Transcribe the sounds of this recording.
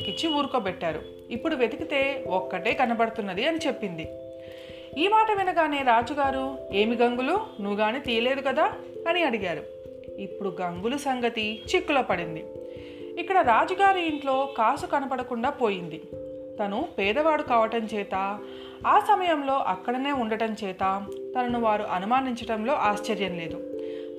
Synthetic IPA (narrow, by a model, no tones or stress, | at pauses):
kːit͡ʃːiuːɾukoːpɛʈːaːɾṵ | ipːuɽuʋe̞d̪ukit̪e̞ːɔkːɐʈe̞ːkɐnɐpɐɽɐt̪unːɐd̪iɐnit͡ʃe̞pːind̪i | iːmaːʈɐʋinɐɡaːne̞ːɾaːd͡ʒuɡaːɾue̞ːmiɡɐŋɡulunuɡaːnit̪iːjɐle̞ːd̪ukɐd̪aː | ɐniɐɽiɡaːɾṵ | ipːuɽuɡɐŋɡulusɐŋɡɐt̪it͡ʃikːuloːpɐɽind̪i | ikːɐɽɐɾaːd͡ʒɐɡaːɾuiɳʈlo̞ːkaːsukɐnɐpɐɽɐkuɳɖaːpo̞ːjind̪i | t̪ɐnupɛːd̪ɐʋaːɽukaːʋɐʈɐmt͡ʃɛːt̪aː | aːsɐmɐjɐmlo̞ːʔɐkːɐɽɐne̞ːuɳɖɐʈɐmt͡ʃɛːt̪aːt̪ɐnɐnuʋaːɾuʔɐnumaːniɲt͡ʃɐʈɐmlo̞ːʔaːʃt͡ʃɐɾjɐnle̞ːd̪u